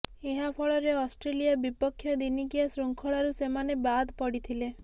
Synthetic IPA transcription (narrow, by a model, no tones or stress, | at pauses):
eɦapʰɔɭɔɾeɔsʈɾelijabipɔkʰːjɔd̪inikiasɾuŋkʰɔɭaɾusemanebad̪ʱpɔɽit̪ʰile